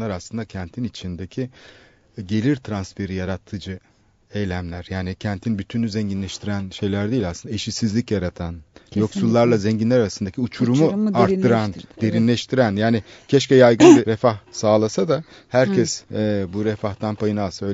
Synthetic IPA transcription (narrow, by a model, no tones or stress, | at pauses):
aɾaslˠɯnd̪acʰænt̪ʰinit͡ʃʰind̪ecʰi | ɟe̞lʲiɾt̪ʰɾansfe̞ɾijaɾat̪ʰːɯd͡ʒɯ | ejlʲæmlʲæɾjaːnicʰænt̪ʰinbyt̪ʰynʲyzɛɲɟinlʲɛʃt̪ʰiɾænʃe̞jlʲæɾd̪eːilʲasɯnd̪aeʃisizlʲicjaɾat̪ʰanjo̞ksulˠːaɾlˠazɛɲɟinlʲæɾaɾasɯnd̪acʰiut͡ʃʰuɾumuaɾt̪ːɯɾand̪e̞ɾinlʲɛʃt̪ʰiɾænjaːnɪcʰɛʃcɛjajɡɯnɯɾefahsaːlˠasad̪a | hæɾcʰɛsɛːbuɾɛfaht̪anpʰajɯnalsaø̞jl